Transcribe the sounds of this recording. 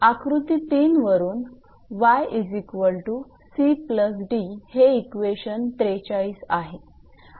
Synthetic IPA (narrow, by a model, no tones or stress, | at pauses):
akɾut̪iːt̪iːnʋəɾuːn | ʋajid͡ʑikʋəlʈu | sipləs̬ɖiheikʋeɕənt̪ɾet͡ɕaɭiːsaɦe